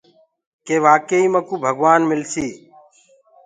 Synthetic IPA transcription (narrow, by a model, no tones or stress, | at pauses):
keːʋaːkəiːməkuːbʱəɡʋaːnmɪlsiː